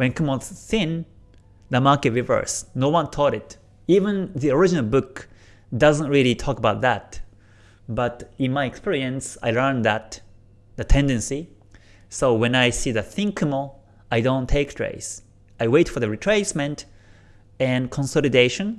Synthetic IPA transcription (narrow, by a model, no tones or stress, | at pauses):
wɛ̃nkʰũmɔz̥sɪ̃n | ðəmaɹkɨt̚ɹivə̰˞snoʊwʌ̃nt̪ʰɔɾɪt | ivə̃nðiɔɹɪd͡ʒinəlˠbʊk | dʌzə̃ntɹilˠitʰɔkəbaʊt̪̚ðæ̰t | bʌtɪ̃nmaɪɛkspiɹiɨ̃nsa̰ɪlɜ˞nðæt̪ | ðɨtʰɛ̃ndɨ̃nsi | soʊwɛ̃naɪsiðɨθɪ̃ŋkʰɪməl | aɪdõʊ̃ntʰeɪkstɹ̥ḛɪs | ajweɪtfɔ˞ðɨɹitʰɹ̥eɪsmɛ̃nt | ɛ̃nkʰɔ̃nsɔlˠideɪʃə̃n